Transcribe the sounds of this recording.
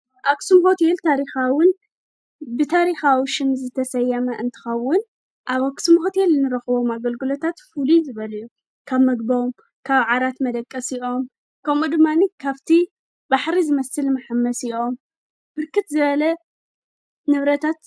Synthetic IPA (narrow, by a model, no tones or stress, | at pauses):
ʔaksumɦo̞t̪ʰe̞lt̪ʰaɾixawʊn | bɨt̪ʰaɾixawiʃɪmzɨt̪ʰɐsɐjːɐmɐʔɨnt̪ʰɨ̥xɐwʊn | ʔaβaksumho̞t̪ʰe̞lnɨɾɐxɨβo̞maɡɐlɡɨlo̞t̪ʰat̪fulizɨβɐljːu | kʰaβmɐɡbɐm | kʰaβʕaɾat̪mɐd̪ɐkʼːɐsiʔo̞m | kʰɐmud̪ɨmːanikʰaβt̪ʰi | baħɾizɨmɐsɨlmaħamːɐsiʔo̞m | b̥ɨɾkɨt̪zɨβɐlɐ | nɨβɾɐt̪ʰat̪